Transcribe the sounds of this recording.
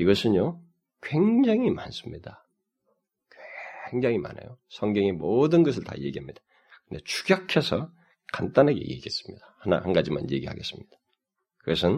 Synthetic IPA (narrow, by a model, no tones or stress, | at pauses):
iɡʌsʰɯnjo | kwe̞ŋd͡ʑaŋimans͈ɯmɲida | kweŋd͡ʑaŋima̰na̰josʰʌŋɡjʌŋemodɯnɡʌs̬ʰɯɭta̰je̞ɡiɦamɲid̥ḁ | kɯndet͡ɕʰu̥ɡjʌkʰesʰʌ | kant͈anɦaɡe̞̰jḛɡies͈ɯ̥mɲidahana̰hanɡad͡ʑima̰nje̞ɡiɦa̰ɡe̞̰s͈ɯmɲid̥ḁ | kɯɡʌsʰɯn